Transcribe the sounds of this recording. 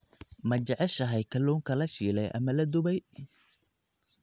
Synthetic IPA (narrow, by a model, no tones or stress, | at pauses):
mɐt͡ʃɐʕɛʃɐɦɐjkʰɐlɔːŋkʰɐlɐʃiːlɛjʔɐ̰mɐlɐd̪ʊβɛj